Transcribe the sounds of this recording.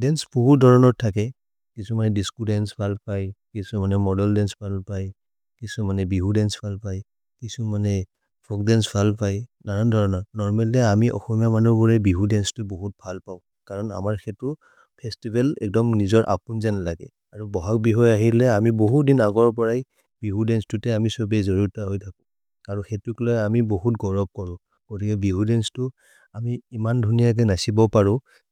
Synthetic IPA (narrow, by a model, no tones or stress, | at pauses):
dɛnsboɦudʱɔɹɔnɔɹtʰakɛ | kisumanɛdiskudɛnsbʱalpajkisumanɛmɔdɛldɛnsb̥ʱalpaj | kisumanɛbiɦudɛnsb̥ʱalpaj | kisumanɛ | bʰʱɔk̚dɛnsbʱalpajnaɹandʱɔɹɔnɔɹnɔɹmɛlɛamiʔɔ̰xɔmijamanubɔɹɛbiɦudɛnstʊboɦut̚bʱalpaʊ̃ | kaɹɔna̰maɹxɛtu | pʰɛstibʱɛlɛ̰k̚dɔmnizɔɹʔa̰punzɛnlaɡɛ̰ | aɹubɔɦak̚biɦɔjaɦilɛamiboɦutdinaɡɔɹp̬ɔɹaj | biɦudɛnstutɛamisɔbɛzɔɹuɹtaɦɔjtʰakũ | kaɹɔ̃xetuklɔjamiboɦut̚ɡɔɹɔb̚kɔɹʊ̃ | ɡ̥otikɛbiɦudɛnstʊ | amiːmandʱunijak̬ɛnasibɔpaɹʊ̃